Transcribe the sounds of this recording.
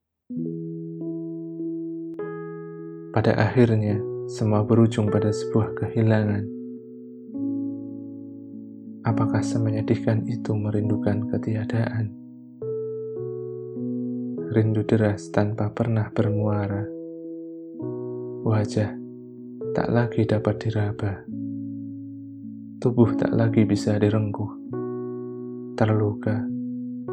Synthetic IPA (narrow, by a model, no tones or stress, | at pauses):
pada̰ʔaxɪrɲasəmuabəɾud͡ʒʊŋpadasəbuahkəhilaŋan | ʔapakahsəməɲadikanit̪uməɾindukankət̪iadaʔan | rindudəɾast̪anpapərnahb̥ərnuaɾa | wad͡ʒah | t̪a̰ʔlaɡidapat̪̚d̥iɾab̥a | t̪ubʊht̪a̰ʔlaɡibisadiɾəŋkʊh | t̪ərluka